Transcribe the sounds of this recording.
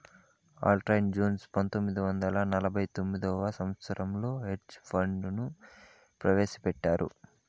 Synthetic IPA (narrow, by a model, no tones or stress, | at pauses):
a̰ːlʈɾɐjmd͡ʒoːnspɐnt̪omːid̪iʋɐnd̪ɐlɐnɐlɐbʱɐjt̪omːid̪ɔːʋɐsɐmʋɐt̪sɐɾʔɐmlo̞ːɦeʈt͡ʃpʰɐɳɖnu | pɾɐʋe̞ːʃɐ̥pɛʈːaːɾṵ